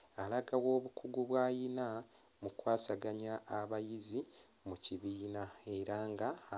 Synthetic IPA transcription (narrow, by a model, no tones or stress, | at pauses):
alaɡawo̞ːβukʰuɡuβwaːjina | mukwaːsaɡaɲaʔːβajizi | muciβiːnae̞ɾaŋɡa